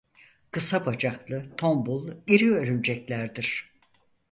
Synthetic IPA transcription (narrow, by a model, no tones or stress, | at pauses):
kʰɯsabad͡ʒaklˠɯt̪ʰo̞mbulˠiɾiøɾynd͡ʒɛclʲæɾd̪iɾ̥